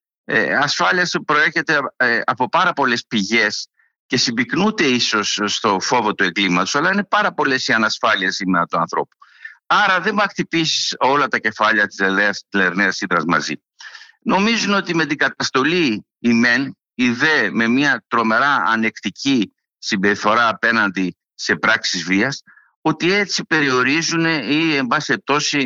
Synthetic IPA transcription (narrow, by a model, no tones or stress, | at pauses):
ḛɐsfɐliɐspɾo̞e̞ɾçe̞t̪e̞ɐpo̞pɐɾɐpo̞le̞spiʝe̞s | ce̞sibiknud̪e̞iso̞sːt̪o̞fo̞vo̞t̪ue̞ŋɡlimɐt̪o̥sɐlɐine̞pɐɾɐpo̞le̞siɐnɐsfɐliɐsimeɾɐt̪uɐ̰nθɾo̞̰pu̥ɐɾɐðe̞mɐkt̪ipisiso̞lɐt̪ɐce̞fɐʎɐt̪i̥sleeɐst̪leɾneɐsiðɾɐzmɐ̰zḭ | no̞mizuno̞t̪ime̞t̪iɡɐt̪ɐst̪o̞liː | me̞n | iðe̞me̞miɐt̪ɾo̞me̞ɾɐ̰ːne̞kt̪ici | simbe̞ɾifo̞ɾɐːpe̞nɐnd̪i | se̞pɾɐksizviɐs | o̞t̪ie̞t͡sipe̞ɾio̞ɾizune̞ie̞mbɐsiep̚t̪o̞si